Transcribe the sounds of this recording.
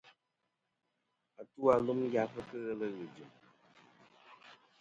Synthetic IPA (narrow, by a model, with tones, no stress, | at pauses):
a˨tu˦a˨˦lu˦mja˦pə˦kə˦ɣə˦lə˦ɣɨ˨d͡ʒɨ˨m